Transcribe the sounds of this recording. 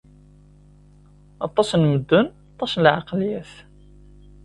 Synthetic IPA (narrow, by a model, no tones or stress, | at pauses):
ɑt̪ˤːɑsnməd̪ːənɑt̪ˤːɑslʕɑqljæθ